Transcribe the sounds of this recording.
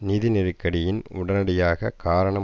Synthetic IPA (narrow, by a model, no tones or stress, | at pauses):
nɪðɪnɪɾɯkːɐɽɪjɪnʊ̰ɽɐnɐɽɪjaːɣɐkaːɾɐɳɐ